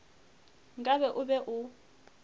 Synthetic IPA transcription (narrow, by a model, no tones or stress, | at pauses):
ŋɡʼaβɛʔʊbɛʔu